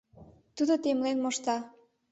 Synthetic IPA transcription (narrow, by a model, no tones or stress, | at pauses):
t̪ud̪ot̪emlenmoʃt̪ɑ